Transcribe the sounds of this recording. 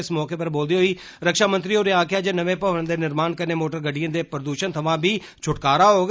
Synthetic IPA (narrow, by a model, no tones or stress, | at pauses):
ɪsmɔːkeːpəɾboːld̪iːɦoːiː | ɾəkʃaːmənt̪ɾiːoːɾeːãːkʰjaːd͡ʒenəʋẽːpəə̃nd̪eːnɪɾmaːnkəɾneːmoːʈəɾɡəɖijə̃ːd̪eːpɾəd̪uːʃənt̪ʰəʋãːbiː | t͡ʃʰʊʈkaːɾaːɦoːɡ